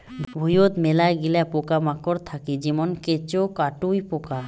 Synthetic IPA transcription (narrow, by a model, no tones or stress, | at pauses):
bʱujot̪melaɡilapokamakoɾt̪ʰakid͡ʑimonket͡ɕokaʈujpoka